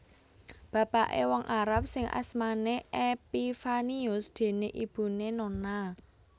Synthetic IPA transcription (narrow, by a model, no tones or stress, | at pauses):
b̥ä̤paʔḛwɔŋʔaɾap̚sɪŋʔa̰smaneʔepifaniʊsd̪̥e̤neʔib̥ṳnenona